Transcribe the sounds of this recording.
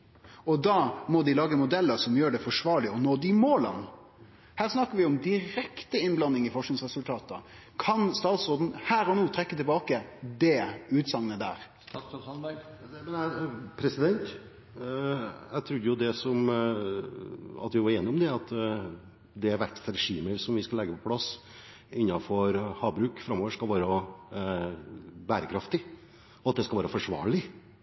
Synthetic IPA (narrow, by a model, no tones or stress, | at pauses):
ɔd̪ɑːmɔd̪ɪlɑːɡəmʊd̪ɛlːəɾsɔmjøːɖɛfɔʂʋɑːɭɪɔnoːd̪ɪmoːlə̰n | hæːɾsnɑkːəɾʋɪʊmd̪ɪɾɛkt̪əɪnblɑnːɪŋɪfɔʂknɪŋsʁɛsʉlt̪ʰɑːt̪ɑ̰kʰɑnst̪ɑːt̪sʁoːd̪n̩hæːɾɔnuːt̪ʰɾɛkːət̪ʰɪlbɑːkəd̪ɛʉːt̪sɑŋnəd̪æ̰ːɾ | ɛpʰɾɛsɪd̪ɛnt̪ | æt̪ʰɾʉd̪ːəjʊd̪ɛsɔm | ɑ̰t̪ʋɪʋɑɾeːnɪʊmd̪ɛɑt̪ | d̪ɛæɾʋæʈːt̪ɾɛʂiːməɾsɔmʋɪskɑlɛɡːəpʰɔpʰlɑs | ɪnːɑfɔɾhɑːbɾʉːkfɾɑmoːʋəʂkɑlʋɑːɾə | bæːɾəkʰɾɑft̪ɪ | ɔɑt̪̚d̪ɛskɑlʋɑːɾəfɔʂʋɑ̰ːɭɪ